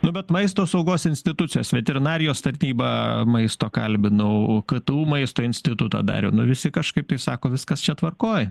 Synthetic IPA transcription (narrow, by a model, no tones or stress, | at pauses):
nʊbʲɛt̪mɐɪst̪oːsɐʊɡoːsɪnʲsʲt̪ʲɪt̪ʊt͡sʲɪjoːsʋʲɛt̪ʲɛɾʲɪnɑːɾʲɪjoːst̪ɐɾʲnʲiːbɑːmɐɪst̪oːkɐ̰lʲbʲɪnɐʊkɐt̪uːmɐɪst̪oːɪnʲsʲt̪ʲɪt̪ʊt̪ɑ̰ːd̪ɑ̰ːɾʲɛʊnʊʋʲɪsʲɪkɐʃkɐɪpt̪ɐɪsɑːkoːʋʲɪskɐst͡ʃʲɛt̪ʋɐrkoːj